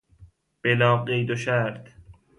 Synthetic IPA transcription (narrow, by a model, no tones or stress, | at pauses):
b̥elɒːbɢejd̪oʃæɾt̪